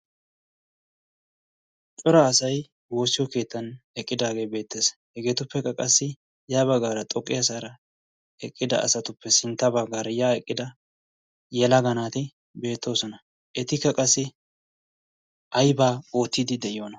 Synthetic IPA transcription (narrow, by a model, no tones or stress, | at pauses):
t͡ʃʼɔɾɐːsɐj | wo̞ːsːɪjɔke̞ːt̪ːɐnɛkʼːɪd̪aːɡe̞ːbe̞ːt̪ːeːshɛɡe̞ːt̪ʊpːɛkːɐkʼɐsːɪ | jaːbɐɡaːɾɐt̪ʼɔkʼːɪjɐs̬aːɾɐ | ɛkʼːɪd̪ɐ̰ɐ̰sɐt̪ʊpːɛsɪnt̪ːɐbɐɡaːɾɐjaːɛkʼːɪd̪ɐ | jɛlɐɡɐnaːt̪ɪ | be̞ːt̪ːo̞ːsɔnɐ | ʔɛt̪ɪkːɐkʼɐsːɪ | ʔɐjbaːo̞ːt̪ːid̪ɪd̪ɛɪjo̞ːnɐ